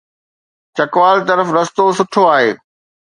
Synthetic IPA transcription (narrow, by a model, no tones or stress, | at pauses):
t͡ɕɐkʋaːlt̪ɐɾəfɾɐst̪osʊʈʰoaːɦḛː